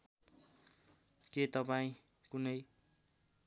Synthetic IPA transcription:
k̪et̪ʌpaĩ | kunʌj

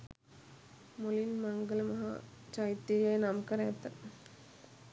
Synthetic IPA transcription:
mʊlinmɐŋɡɐlmɐɦa̰ | t͡ʃɐjt̪ːijeːnamkɐɾeːt̪ːɐ

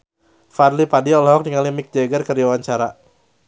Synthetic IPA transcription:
farlipadiɔlɔɦɔk̚niŋalimɪk̚d͡ʒaɡərkəɾiawaɲt͡ʃaɾa

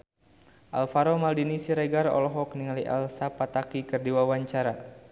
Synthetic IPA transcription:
ʔalfaɾɔmaldinisiɾɛɡarɔ̰lɔɦɔkniŋaliʔa̰lsapat̪akikɨrdiwawaɲt͡ʃaɾa

